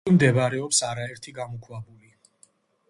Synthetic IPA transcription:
imd̪ɛvaɾɛɔpsaɾaɛɾt̪ʰiɡamukʰwabuli

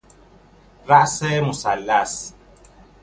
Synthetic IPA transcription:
raʔsɛmosalːas

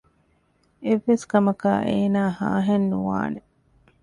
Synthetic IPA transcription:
eʋːeskɐmɐka̰ːʔeːnaːha̰ːɦenːuʋa̰ːne

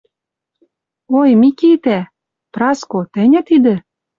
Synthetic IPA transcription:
ojmikit̪æ | prɑskot̪ɘ̆nʲæ̆t̪id̪ĕ

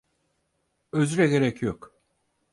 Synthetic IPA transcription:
øzyɾɛɡe̞ɾɛcʰjok

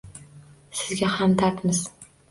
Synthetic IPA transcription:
sɪzɡʲahamd̪at̪mɪz̥

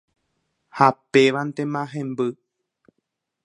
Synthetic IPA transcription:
hapeʋant̪ẽmãɦẽmbɨ

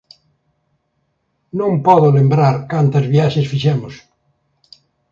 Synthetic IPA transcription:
nõmpɔðolembɾaɾkant̪azβjaʃesfiʃemos

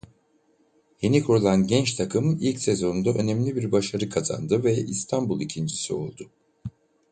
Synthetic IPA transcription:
je̞nikʰuɾulˠanɟɛnt͡ʃt̪ʰakʰɯmilʲcse̞zo̞nund̪aʔø̞nɛmlʲibiɾbaʃaɾɯkʰaza̰nd̪ɯvɛḭst̪ʰanbulˠicʰind͡ʒisio̞̰lˠd̪ʊ

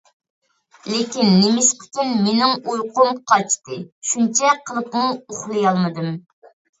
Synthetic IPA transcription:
lekʲinːemɪʃqʰə̥kʲɪnmenɪŋujqʊmqʰɑt͡ʃt̪ɨʃunt͡ʃʰɛqʰəlˠəpmʊoχlˠɨjɑlˠmɨd̪ɨm

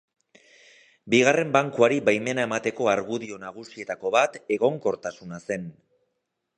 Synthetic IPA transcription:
biɣ̞are̞mbaŋkuaɾiβajme̞nae̞mat̪e̞ko̞aɾɣuðio̞naɣ̞usie̞t̪ako̞βat̪e̞ɣo̞ŋko̞ɾt̪asunase̞n

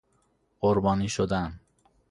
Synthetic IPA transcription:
ɢoɾbɒːniːʃod̪æn

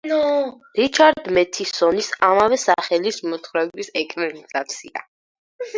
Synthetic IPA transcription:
ɾit͡ʃʰaɾd̪mɛt̪ʰisɔnisamavɛsaχɛlismɔt̪ʰχɾɛbisɛkʼɾɛnizat̪sʰḭa̰

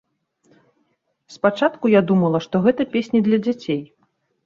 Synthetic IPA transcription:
spat͡ʂat̪kujad̪umɐlˠɐʂt̪ɔɣɛt̪ɐpʲesʲnʲid̪lʲɐd͡zʲat͡sʲej

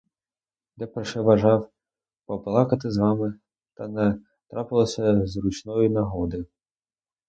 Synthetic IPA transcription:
d̪ɛpɔʂɛʋɐʐɑw | pɔplˠɑkɐt̪ɪzʋɑmɪ | t̪ɐnɛ | t̪ɾapɪlˠɐsʲɐzrut͡ʃnɔjinɐɦɔd̪ɪ

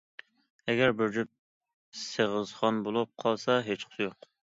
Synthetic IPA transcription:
ɛɡʲæɾbyɾd͡ʒyp̚ | seʁəzχɑnbolˠup̚qʰɑlˠsɑɦet͡ʃqʰə̥sɪjoq

